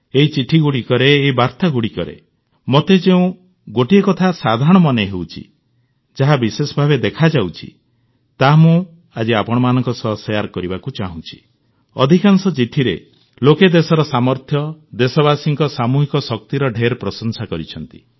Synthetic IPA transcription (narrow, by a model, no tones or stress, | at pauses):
eɦit͡ʃiʈʰiɡuɽikɔɾeːɦibaɾt̪aɡuɽikɔɾḛ | mot̪ed͡ʒeũ | ɡoʈiekɔt̪ʰasad̪ʱaɾɔɽ̃ɔmɔneɦewt͡ʃʰḭ | d͡ʒaɦabisesɔbʱabed̪ekʰad͡ʒawt͡ʃʰḭ | t̪amũ | ad͡ʒiapɔɽ̃ɔmanɔŋkɔsɔsjaɾkɔɾibakut͡ʃaɦũt͡ʃʰi̥ | ɔ̰d̪ʱikansɔt͡ʃiʈʰiɾḛ | loked̪esɔɾɔsamɔɾt̪ʰjɔd̪esɔβasiŋkɔsamuɦikɔsɔk̚t̪iɾɔɖʱeɾpɾɔsɔnsakɔɾit͡ʃʰɔnt̪i̥